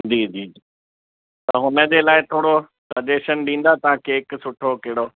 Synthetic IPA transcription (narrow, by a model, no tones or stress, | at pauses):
d͡ʑiːd͡ʑiːd͡ʑiː | t̪ɐɐɦʊnə̆d͡ʑeːlaːɪt̪ʰoːɽo | sɐʄeːʃənɗĩːn̆d̪at̪ɐãkeːksʊʈʰokɐɦɪɽoː